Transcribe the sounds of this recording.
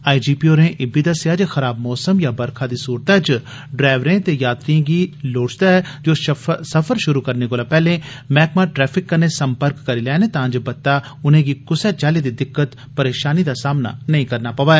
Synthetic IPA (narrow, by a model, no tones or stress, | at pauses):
aːid͡ʒiːpioːɾẽʔɪbid̪əsjaːd͡ʒxɐɾaːbmɔːsəmjabɐɾkʰad̪isuːɾt̪at͡ʃ | ɖɾaːʋɾẽːt̪ejaːt̪ɾiẽɡiːloːt͡ʃd̪aɦɛd͡ʒoːsɐfʰəɾʃʊɾukɐɾnekoːlaːpɛːlẽ | mɛːkmãʈɾɛːpʰɪkːənesɐmpəɾkːɐɾilɛːnẽt̪ãːd͡ʒbɐt̪ːa | ʊnẽːɡikʊsɛt͡ʃaːlid̪id̪ɪkːət̪ | pɐɾeːʃaːnid̪asaːmna̰nɐɦĩkɐɾnapɐʋaːɛː